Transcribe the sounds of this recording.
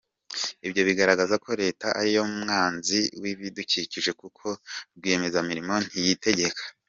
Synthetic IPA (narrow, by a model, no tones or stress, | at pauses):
ibɟo̞βiɡaɾaɡazako̞ɾe̞ːtaʔaɾijo̞umŋaːnziwiβiduciciʒe̞kukʰo̞ɾɡwieme̞zamiɾimo̞n̥hijite̞ɟe̞kʰḁ